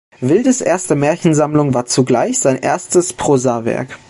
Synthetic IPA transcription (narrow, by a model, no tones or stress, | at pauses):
vɪldəsʔeːɐstəmɛːɐçn̩zamlʊŋvaːɐt͡suɡlaɪçz̥aɪnʔeːɐstəspʁ̥oːzaːvɛ̰ɐk